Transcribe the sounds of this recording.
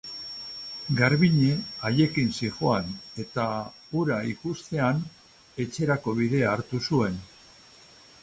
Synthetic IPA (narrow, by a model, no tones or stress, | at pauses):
ɡaɾβiɲe̞aje̞kinsiʝoane̞t̪a | uɾaikust̪e̞an | e̞t͡ʃe̞ɾako̞β̞iðe̞aːɾt̪usue̞n